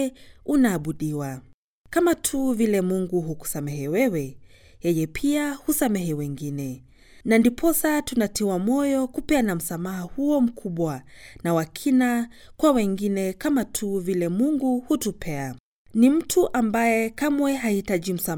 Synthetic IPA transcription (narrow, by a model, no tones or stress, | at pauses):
unaːɓuɗiwa | kamatʰuvilɛmuŋɡuhuku̥samɛɦɛwɛwɛ | jɛjɛpʰiahusamɛɦɛwɛŋɡinɛ | nandipʰɔsatunatiwamɔjɔkupɛanam̩samahahuɔm̩kʰuɓwanawakʰinakwawɛŋɡinɛkamatʰuvilɛmuŋɡuhutupʰɛa | nim̩tʰuʔambajɛkamwɛɦaitaʄim̩sa